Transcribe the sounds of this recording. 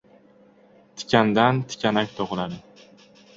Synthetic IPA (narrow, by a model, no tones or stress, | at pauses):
t̪ʰɪ̥kʲand̪ant̪ʰɪ̥kʲʰanakʲt̪ʰoʁɨlaɾɪ